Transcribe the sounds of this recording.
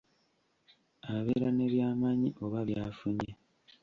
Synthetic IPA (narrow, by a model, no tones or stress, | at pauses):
aβe̞ːɾane̞βjaːmaːɲiʔo̞βaβjaːfuɲe